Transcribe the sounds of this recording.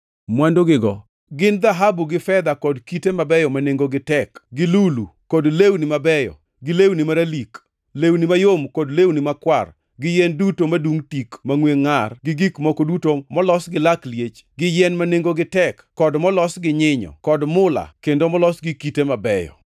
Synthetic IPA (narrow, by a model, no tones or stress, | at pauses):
mwandoɡɪɡɔ | ɡɪnd̪aɦabuɡɪfɛd̪akɔdkitemabɛjɔmaneŋɡoɡɪtɛkɡɪlulukodlewnɪmabɛjɔ̰ | ɡɪlewnɪmaɾalik | lewnɪmajomkodlewnɪmakwar | ɡɪjɛndutomaduŋtikmaŋweŋarɡɪɡikmɔkodutomɔlɔsɡɪlakljet͡ʃɡɪjɛnmaneŋɡoɡɪtɛkːɔdmɔlɔsɡɪɲɪɲɔ̰kɔdmʊla̰kendomɔlɔsɡɪkitemabɛjɔ̰